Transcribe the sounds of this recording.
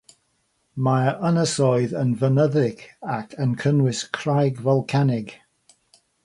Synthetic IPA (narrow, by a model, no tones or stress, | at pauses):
maənəsɔɨðənvənəðɪɡakʰənkʰənwɪskʰr̥ajɡvɔlˠkʰanɪɡ